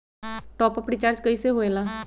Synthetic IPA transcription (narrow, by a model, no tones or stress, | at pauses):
ʈɔːpəpɽiːt͡ʃaːɾd͡ʒkəiseɦoːeːlaː